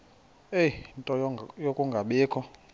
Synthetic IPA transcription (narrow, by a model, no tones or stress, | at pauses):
eintʼɔjokʼuŋɡʱaɓeːkʰɔ